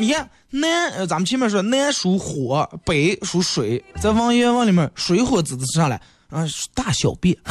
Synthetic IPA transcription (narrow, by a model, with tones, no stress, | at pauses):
ɛ˥˩ | nɛ˥˧˩t͡sa˨˧˥mə˧t͡ɕʰi˥mjɛ˥˧˥ʂwɔ˥nɛ˥nʂu˧˥xwɔ˨˧˩pe˨˩ɪʂu˧˥ʂwe˧˩˦ɪt͡sa˥˩ɪfɑ˥ŋɥɛ˥wɑ˥˩ŋli˨˩mɛ˥˧ʂwe˧˥ɪxwɔ˧˥t͡sɹ̩˨˩t͡s̩˧ʂɑ˥˩ŋla˧˦ɪ˧ | t̪a˥˩ɕjɑ˨˩ʊpɛ˥˩